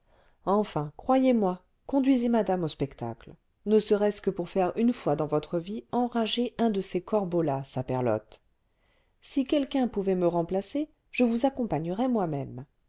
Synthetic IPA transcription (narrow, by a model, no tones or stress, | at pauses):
ɑ̃fɛ̃kχwajemwa | kɔ̃d̪ɥizemad̪amospɛkt̪a̰kl | nəsəʁɛskəpuʁfɛʁynfwad̪ɑ̃vɔt̪χəviɑ̃ʁaʒeʔɛ̃d̪əsekɔʁbolasapɛʁlɔ̰t̪ | sikʲɛlkɛ̃puvɛməʁɑ̃plase | ʒ̥əvuzakɔ̃paɲəʁɛmwamɛm